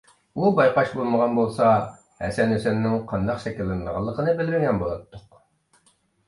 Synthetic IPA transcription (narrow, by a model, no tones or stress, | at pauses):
ubɑjqɑʃbolˠməʁɑnbolˠsɑ | hɛ̰sɛnøsɛnnːɪŋqʰɑnd̪ɑqʃɛkʲilːɪnʁɑ̰lˠːəqʰənɨbɪlmɪɡʲɛnbolˠɑt̪ːʊq